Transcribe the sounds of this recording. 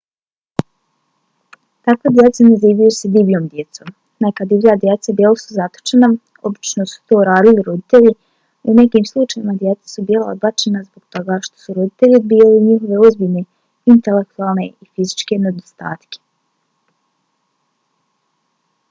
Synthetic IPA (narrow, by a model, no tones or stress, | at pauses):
t̪akʋed̪je̞t̪sanaziːʋajused̪ibijo̞ːmd̪je̞t̪so̞ːm | nakad̪ivjad̪jet̪sabjelasuzat̪o̥t͡ʃena | o̞bit͡ʃnosu̥t̪ouɾaːd̪iliɾod̪it̪e̞ʎi | une̞kiːmslˠut͡ʃajimad̪je̞t̪sḁsubiːlao̰d̪bat͡ʃenazboɡt̪o̞ɡaʃt̪o̥suɾod̪it̪e̞ʎibiːliɲixoʋe̞ozbiʎne̞ | int̪e̞lek̚t̪uaːlˠne̞ifizit͡ʃke̞ne̞d̪ost̪a̰ːt̪ke̥